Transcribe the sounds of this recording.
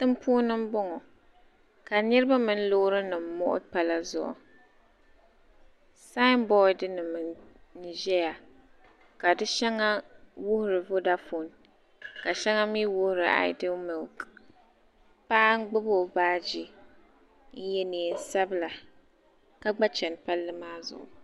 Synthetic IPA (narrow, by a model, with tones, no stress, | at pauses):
tɨ˦mpʰuː˦nɨ˦m̩˦bɔ˦ŋɔ˨ | ka˨nɨ˦ɾɨ˦ba˦mɨ˦n̩˦lo˦ɾɨ˦nɨ˨m̩˨mɔ̰˦ʔʊ̰˦pa˨la˦zʊ̰˦˨ʔʊ̰˨ | sa˦ɪ˦nbɔ˦dɨ˦nɨ˨mɨ˨nn˨ʒɛ˦ja˨ | ka˨dɨ˦ʃɛ˦ŋa˦wʊ˦hʊ˦ɾɨ˨vʊ˦da˦fo˨n | ka˨ʃɛ˦ŋa˦mi˦wʊ˦hʊ˦ɾɨ˨ʔa̰˨jdi˦mɛ˨lk | paː˦ŋ˦ɡ͡bʊ˦boː˦˨baː˦d͡ʒi˦ | n̩˦jɛ˦ne˨n˨˦sa˦bɨ˦la˨ | ka˦ɡ͡ba˦t͡ʃɛ˨n˨pa˦lːɨ˦maː˦zʊ̰˨ʔʊ̰˨